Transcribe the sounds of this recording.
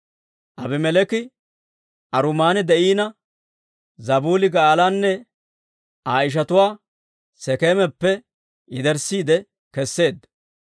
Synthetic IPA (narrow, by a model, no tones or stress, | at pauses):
ʔɐbɛmɛlɛkɪ | ʔɐɾʊmaːnɪd̪ɛʔiːnɐ | zɐbuːlɪɡaːlaːnːɛ | aːɪʃ̬ɐt̪ʊwaː | sɛkeːmɛpːɛ | ɪd̪ɛɾsiːd̪ɛ | kɛsːe̞ːd̪ːɐ